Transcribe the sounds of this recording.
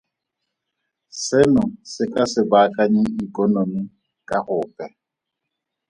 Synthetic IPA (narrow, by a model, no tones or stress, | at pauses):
sɪnʊsɪkʼasɪbakʼaɲɪikʼɔnomi | kʼaχʊːpʼɛ